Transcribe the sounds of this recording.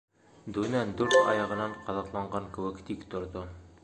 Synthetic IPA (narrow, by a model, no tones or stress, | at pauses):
d̪ʉnæd̪ʉɾt̪ɒjɑʁɤ̆nɑɴqɒðɑq̪lˠɑɴɢɑŋkɘ̆wɘkt̪ikt̪ŏɾd̪o